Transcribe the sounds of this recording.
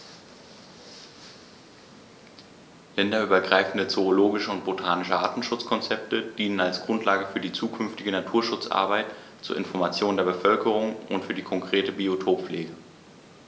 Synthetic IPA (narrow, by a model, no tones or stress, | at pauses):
lɛndɐyːbɐɡʁaɪfn̩dət͡soːloːɡɪʃəʊnt̚b̥otʰaːnɪʃəʔa̰ːtn̩ʃʊt͡skʰɔnt͡sɛp̚təd̥iːnənalsɡ̥ʁʊntʰlaːɡəfyːɐdiːt͡suːkʰʏnftɪɡənatʰuːɐʃʊt͡sʔa̰ɐbaɪt | t͡sṵːɐɪnfɔɐmat͡sjoːndeːɐbəfœlkʰəʁʊŋʊntfyːɐdiːkʰɔŋkʁ̥eːtəbiotʰoːpfleːɡə